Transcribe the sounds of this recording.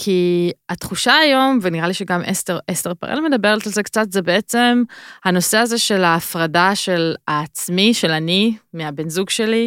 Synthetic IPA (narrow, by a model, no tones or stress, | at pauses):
kʰiat̪χuʃaːjo̞mveniʁaliʃeɡamʔesteʁʔest̪eʁpa̰ʁḛlme̞dabeʁalalzekt͡satzebeet͡se̞mhano̞seaze̞ʃe̞laːfʁadaʃelaːt͡smiʃe̞lanimeabenzuɡʃe̞li